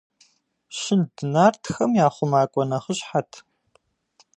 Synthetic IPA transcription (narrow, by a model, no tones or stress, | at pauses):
ɕɪndɨnaːrtʰxɐmjaːχʷʊmaːkʷʼɔnɐχəɕʼħatʰ